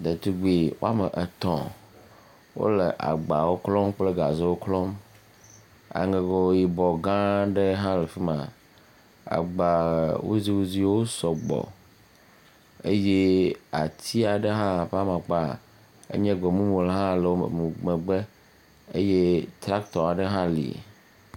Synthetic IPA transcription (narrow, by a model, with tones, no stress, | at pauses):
d̪e˨t̪u˦ɡ͡bi˨wo̰˦a˦mə˨ʔə˨t̪ɔ̰̃˨ | wo̰˦lə˨ʔa̰˨ɡ͡ba˨wo˦klɔ˦mk͡plə˦ɡa˨ze˦wo˦klɔ˦m | a̰˨ŋe˨ɡɔ˨wo˦ji˨bɔ˨ɡã˦ɖə˦ɦã˦le˨fi˦mã̰˨ | a̰˨ɡ͡ba˨wo̰˦zi˦wo˦zi˦wo˦sɔ˨ɡ͡bɔ̰˨ | e˦je˦a˨t̪i˦a˨ɖe˦ɦã˦˨ɸa˦mã˨k͡pa˦˨ | ḛ˦ɲɛ̃˦ɡ͡bɔ˨mũ˦mũ˨le˨ɦã˦le˨wo̰˦˨mũ˨ɡ͡be˨ɡ͡be˦ | e˦je˦t̪ɾa˦kt̪ɔ˨a˨ɖe˦ɦã˦lḭ˨